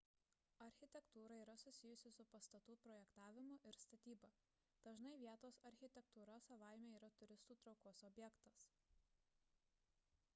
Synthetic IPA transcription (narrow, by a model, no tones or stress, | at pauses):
ɐɾʲxʲɪt̪ʲɛkt̪uːɾɐiːɾɐsʊsʲɪjʊsʲɪsʊpɐst̪ɐt̪uːpɾɔːjɛkt̪ɑːʋʲɪmʊʔɪɾst̪ɐt̪ʲiːbɐ | d̪̥ɐʒnɐɪʋʲiɛt̪oːsɐɾʲxʲɪt̪ʲɛk̚t̪uːɾɐsɐʋaˑɪmʲeːiːɾɐt̪ʊɾʲɪst̪uːt̪ɾɒʊkoːɔsɔbʲjɛkt̪ɐs